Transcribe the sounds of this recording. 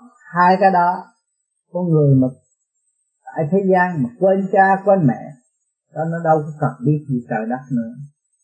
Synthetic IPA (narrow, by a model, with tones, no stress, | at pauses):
haː˧jkaː˨˦jɗɔ˨˦ | kɔ˧nŋɨ˨˩əjma˨˩ | t̪a̰ː˧˨jt̪ʰe˨˦zaː˧nmaː˨˩kwe˧nt͡ɕaː˧kwɛ˧nmɛ̰˧˨ | ɗɔ˨˦nɔ˨˦ɗə˧wkɔ˨˦kə˨˩n̚ɓi˦˥ət̚i˨˩t̪əː˨˩jɗa˦˥t̚nɨ̰˧˥ə